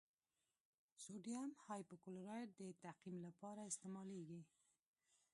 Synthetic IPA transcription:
soɖiamhɑjpəkoloɾɑjɾ̚d̪ət̪aqimlapɑɾaɪst̪emɑleɡi

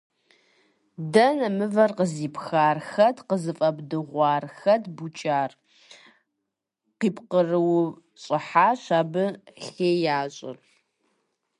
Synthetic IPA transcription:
dɐnɐmɨvɐrqəziːpxaːrxɐdqəzɨfʼɐbdɨʁʷɑːrxɐdbut͡ʃʼaːr | qiːpqərɨw | ɕʼɪħaːɕaːbɨɬeːjaːɕʼɪ̰r

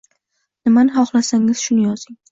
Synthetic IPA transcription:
nɪmanɪχɒχlˠasaŋɪz̥ʃʊnɪjɒz̥ɪŋ

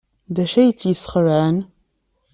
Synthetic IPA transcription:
dɐʃɐjt͡sʰjɪsχəraːn

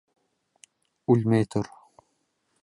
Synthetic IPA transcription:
ulʲmɛjt̪uɾ

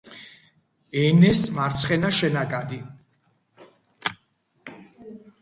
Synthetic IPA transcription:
ɛnɛsmaɾt̪sʰχɛnaʃɛnakʼad̪i

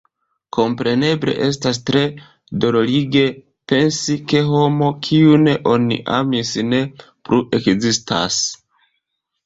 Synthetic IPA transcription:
kʰo̞mpɾe̞ne̞ble̞̰ʔe̞s̬tas̬tɾe̞ | do̞loliɡe̞ | pe̞nsike̞ɦo̞mo̞kʰiune̞ʔo̞nḭʔa̰misne̞ | pɾuʔe̞kzistʰa̰s

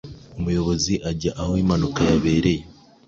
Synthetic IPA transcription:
umujo̞βo̞ziʔaɟaʔahoimanukajaβe̞ːɾe̞je

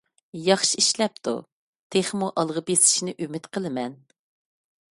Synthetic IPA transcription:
jɑχʃiiʃlɛp̚t̪ʰṵ | t̪ʰeχmuʔɑlˠʁəbesɪ̥ʃnɪʔymɪt̪qʰəlˠɨmɛn

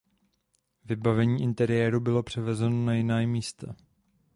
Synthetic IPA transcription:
vɪbavɛɲiːʔɪnt̪ɛɾɪjɛːɾubɪlo̞pr̝̥ɛvɛzɛno̞najɪnaːjmiːst̪a

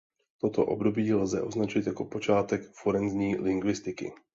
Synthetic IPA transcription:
t̪o̞t̪o̰ʔo̞̰bdo̞biːlzɛʔo̞znat͡ʃɪt̪jako̞po̞t͡ʃaːt̪ɛkfoɾɛnzɲiːlɪŋɡvɪst̪ɪkɪ̰

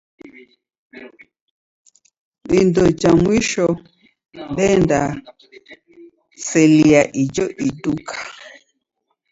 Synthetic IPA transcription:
bindɔd͡ʒamwiʃɔ | mbɛnda | sɛliaʔid͡ʒɔʔidukʰḁ

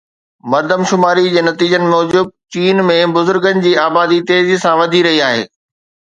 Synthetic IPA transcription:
mɐɾd̪əmʃʊmaːɾid͡ʑeːnɐt̪iːd͡ʑənɪ̆mɔːd͡ʑʊb̚t͡ɕiːnmẽbʊzʊɾɡənɪ̆d͡ʑiːaːbaːd̪it̪eːd͡ʑsãʋɐd̪ʱiɾɐɦiaːɦḛː

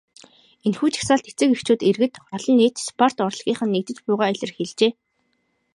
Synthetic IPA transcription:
enxuːt͡ɕʰḁsaːɬt̪et͡sɘ̆kext͡ɕuːt̪erɣɘ̆t̪ɔɮɞ̆nːeːt̪spʰɔr̥t̪ɔr̆ɮʁ̥ʲiːχə̆nːek̚t̪ɘ̆t͡ɕpʊːʁaːɮʲə̆rxeɮt͡ɕeː

